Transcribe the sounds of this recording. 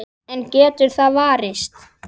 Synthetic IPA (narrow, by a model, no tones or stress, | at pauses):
ɛncɛːt̪ʏɾ̥θaðvaːɾɪst̪